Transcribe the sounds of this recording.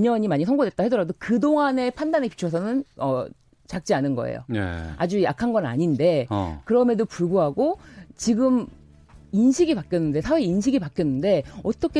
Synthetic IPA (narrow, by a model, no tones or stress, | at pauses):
ɲʌɲimaɲisʰʌŋɡodwe̞t̚t͈ahe̞dʌɾadokɯdoŋane̞pʰandanɦe̞pi̥t͡ɕʰʌs̬ʰʌnɯnʌ | t͡ɕak̚t͡ɕ͈ianɯnɡʌḛjo̰ḛa̰d͡ʑujakʰanɡʌna̰ɲinde̞kɯɾʌmedopuɭɡuɦaɡot͡ɕiɡɯm | inɕʰiɡipak͈jʌnːɯnde̞sʰaweinɕʰiɡipak͈jʌnːɯnde̞ʌt͈ʌkʰe